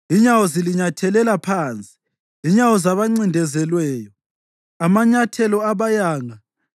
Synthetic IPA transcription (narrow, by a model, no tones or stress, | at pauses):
iɲawɔziliɲatʰɛlɛlapʰaːnt͡sʼi̥ | iɲawɔzaβaŋ͡ǀindʱɛzɛlwɛːjɔ | amaɲatʰɛlɔaβajaːŋa